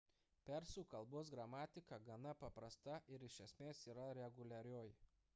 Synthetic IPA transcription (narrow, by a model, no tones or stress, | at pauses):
pʲɛɾsuːkɐlˠboːsɡɾɐmɑːt̪ʲɪkɐɡɐnɐpɐpɾɐst̪ɐʔɪɾɪʃʲɛsʲmʲeːsiːɾɐɾʲɛɡʊlʲɛɾʲoːj